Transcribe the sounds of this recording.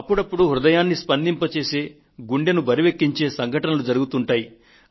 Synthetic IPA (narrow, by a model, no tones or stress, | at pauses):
ɐpːuɽɐpːuɽuɦɾud̪ɐjaːnːispɐnd̪impɐt͡ʃe̞ːse̞ː | ɡuɳɖenubʱɐɾiʋekːiɲt͡ʃe̞ːsɐŋɡʱɐʈɐnɐlud͡ʒɐɾuɡut̪uɳʈaːji